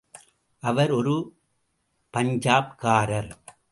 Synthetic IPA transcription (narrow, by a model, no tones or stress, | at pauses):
ʔɐʋɐɾɔɾɯ | pɐɲd͡ʒaːpkaːɾɐɾ